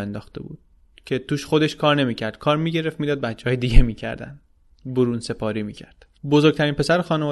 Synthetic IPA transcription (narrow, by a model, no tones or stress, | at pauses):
end̪ɒːxt̪e̞̰bṵːd̪̥̚ | cʰe̞t̪ʰuːʃχo̞d̪e̞ʃkʰɒːɾne̞miːcʰæɾd̪̥̚kʰɒːɾmiːɟe̞ɾe̞ft̪mid̪ɒːd̪̚bæt͡ʃʰːeɦɒjed̪iɟemiːcʰæ̰ɾd̪æ̰n | boɾuːnse̞pʰɒːɾiːmiːcʰæɾd̪̥ | bozoɾɡ̚t̪ʰæɾiːnpʰesæɾexɒːnevɒː